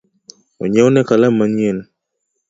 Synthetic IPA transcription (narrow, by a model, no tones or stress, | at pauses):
ɔ̰ɲɛɔnɛkalamaɲɛl